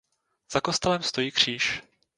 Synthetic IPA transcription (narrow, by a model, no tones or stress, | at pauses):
z̥ako̞st̪ɛlɛmst̪o̞jiːkr̝̥iːʃ